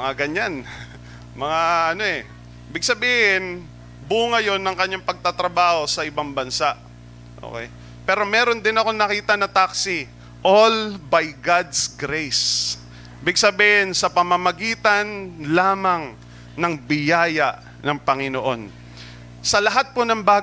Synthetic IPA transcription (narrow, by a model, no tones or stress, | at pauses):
mɐŋaɡɐɲan | mɐŋaʔɐno̞ʔɛ | ɪbɪɡ̚sɐbiːhɪn | buːŋɐjo̞nːɐŋkɐɲːaŋpɐɡ̚t̪at̪ɾɐbaːho̞sɐʔɪbaŋbɐnsaʔ | ʔo̰kɛ̰j | pɛːɾo̞mɛːɾo̞nd̪ɪnɐko̞ŋnɐkiːt̪ɐnɐt̪aksɪ | ʔolbajɡad̪sɡɾejs | bɪɡ̚sɐbiːhɪnsɐpɐmɐmɐɡiːt̪ɐnlaːmɐŋ | nɐŋbɪjaːjɐʔ | nɐŋpɐŋɪnoʔo̞n | sɐlɐɦat̪̚ponɐŋba